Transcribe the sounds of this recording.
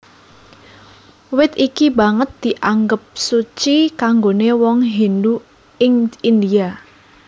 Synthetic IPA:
wɪt̪ikibaŋət̪̚d̪̥i̤ʔaŋɡəp̚sut͡ʃikaŋɡonewɔŋɦendu | ɪŋind̪ia

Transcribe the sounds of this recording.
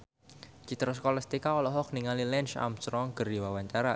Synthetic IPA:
t͡ʃit̪ɾɔs̬kɔlast̪ikaɔlɔɦɔk̚niŋalilɛnʃa̰msɾɔŋɡərdiwawaɲt͡ʃaɾa

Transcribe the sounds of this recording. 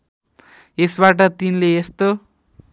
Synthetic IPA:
esbaʈʌt̪inleest̪o

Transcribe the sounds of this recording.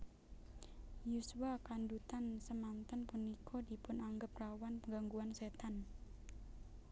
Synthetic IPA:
jusuwakandut̪ansəmant̪ənpunikʰɔdipʊnaŋɡəp̚rawanpəŋɡaŋɡuanset̪an

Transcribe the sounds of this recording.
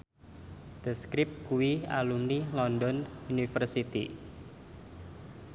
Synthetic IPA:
d̪̥ə̤skɾɪp̚kuwia̰lumnilɔndɔnunifərsit̪ḭ

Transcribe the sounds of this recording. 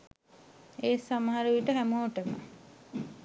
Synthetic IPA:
eːsaməɦaɾəʋiʈəɦæmoːʈəma̰

